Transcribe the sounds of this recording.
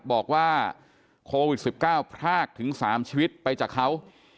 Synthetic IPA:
bɔː˨˩k̚waː˥˩ | kʰoː˧wi˨˩t̪̚si˨˩p̚kaː˥˩wpʰɾaː˥˩k̚t̪ʰɯ˩˦ŋsaː˩˦mt͡ɕʰiː˧wi˦˥t̪̚pa˧jt͡ɕaː˨˩kʰːa˦˥w

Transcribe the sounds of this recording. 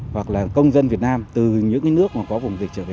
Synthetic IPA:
hwa˨˩k̚laː˨˩kə˧wŋ͡mzə˧nvi˨˩ət̚naː˧mt̪ɨ˨˩ɲɨ̰˧˥ŋkaː˨˦nɨ˦˥ək̚maː˨˩kɔ˨˦vʊ˨˩ŋ͡mvi˨˩ək̚t͡ɕəː˧˩ɓe˨˧˦

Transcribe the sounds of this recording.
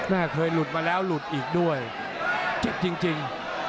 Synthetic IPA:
naː˧˩kʰəː˧jlu˨˩t̪̚maː˧lɛː˨˦˥wlu˨˩t̪̚ʔiː˨˩k̚ɗu˧˥˩ə˩j | t͡ɕe˨˩p̚t͡ɕi˧əŋt͡ɕi˧ŋ

